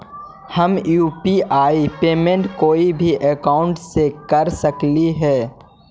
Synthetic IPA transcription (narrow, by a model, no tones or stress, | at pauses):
hɐmjuːpiʔaːipeːmẽɳʈkoːibʱiʔekaːʊ̃ɳʈsekɐɾsəkliɦɛː